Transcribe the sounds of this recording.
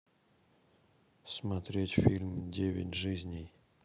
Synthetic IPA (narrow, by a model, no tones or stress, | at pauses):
smat̪ɾʲetʲfʲilʲmdʲevʲɪ̰tʲʐɨzʲnʲɪj